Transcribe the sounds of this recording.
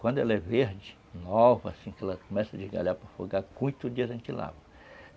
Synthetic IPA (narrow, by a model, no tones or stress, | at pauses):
kwɐ̃nd̪ʊɛlɐɛveɾd͡ʒɪ | nɔvɐasĩkɛlɐkomɛsɐd͡ʒɪzɡa̰ʎapɾɐfoɡakũj̃t̪ʊdd͡ʒiɐɐʒẽnt͡ʃɪla̰vɐ